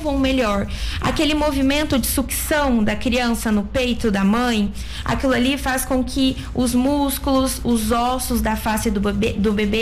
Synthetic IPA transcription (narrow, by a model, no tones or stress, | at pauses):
vɐ̃w̃meʎɔɾa̰kelɪmovimẽnt̪ʊd͡ʒɪsuksɐ̃w̃d̪ɐkɾiɐ̃sɐnʊpejt̪ʊd̪ɐmɐ̃j̃ | a̰kilʊalifaskõkʰɪ | ʊzmuskulʊsʊzɔsʊzd̪ɐfasɪd̪ʊed̪ʊbebe